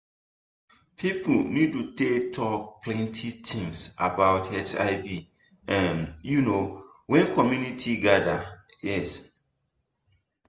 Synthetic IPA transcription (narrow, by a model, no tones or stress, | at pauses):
pʰipʰnid̚tutetʰɔk̚pʰlɛ̃ntʰit̪ʰĩŋsabaʊtɛt͡ʃa̰ɪbi | ʔãmjunowɛ̃nkʰɔmjunitʰiɡadajɛs